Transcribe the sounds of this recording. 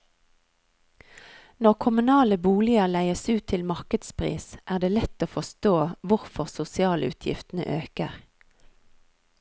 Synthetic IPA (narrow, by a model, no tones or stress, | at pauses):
nɔʁkʰʊmʉnɑːləbuːlɪəlæɪəsʉːt̪ʰɪlmɑʁkəd̪spʰʁḭːsʔæːʁd̪eːlɛt̪ːoːfɔst̪oːʋʊʁfɔʁsʊsɪɑːləʉ̰ːt̪ʰjɪ̰ft̪n̩ə̰ʔøːkəʁ